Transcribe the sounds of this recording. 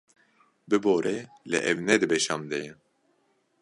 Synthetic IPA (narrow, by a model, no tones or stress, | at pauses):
bɨboːɾʔɛ | lɛ̰ʔɛvnɛd̪ɨbɛʃɑmd̪ɛjɛ